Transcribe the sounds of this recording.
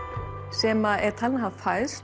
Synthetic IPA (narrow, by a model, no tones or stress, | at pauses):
sɛːmaɛɾ̥t̪ʰalnɦafajs